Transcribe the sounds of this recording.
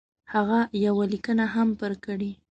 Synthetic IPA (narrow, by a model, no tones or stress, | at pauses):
haɣajawalikənaɦampəɾkəɽi